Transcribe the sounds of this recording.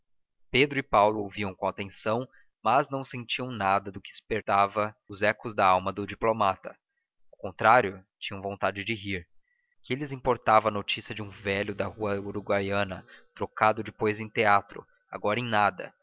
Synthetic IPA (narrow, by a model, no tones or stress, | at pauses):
ped̪ɾʊɪpawlʊowviɐ̃w̃kõat̪ẽsɐ̃w̃ | mɐznɐ̃w̃sẽnt͡ʃiɐ̃w̃nad̪ɐd̪ʊkɪɪspeɾt̪avɐʊzɛkʊzd̪ɐawmɐd̪ʊd͡ʒiplomat̪ɐ | awkõnt̪ɾaɾjʊt͡ʃĩɲɐ̃w̃võnt̪ad͡ʒɪd͡ʒɪɦiɾ | kɪelɪzĩpoɾt̪avɐ̃ɐnot͡ʃisiɐd͡ʒɪũvɛʎʊd̪ɐhuɐuɾuɡwajɐ̃nɐt̪ɾokad̪ʊd͡ʒɪpojzẽj̃t̪eat̪ɾʊ̰ | a̰ɡɔɾɐẽj̃nad̪ɐ̰